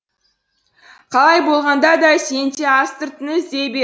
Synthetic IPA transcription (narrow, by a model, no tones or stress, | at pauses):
qʰɑlˠɑjbo̞lˠʁɑnd̪ɑd̪ɑse̞nt̪eɑst̪əɾt̪ɪnəɪzd̪ebe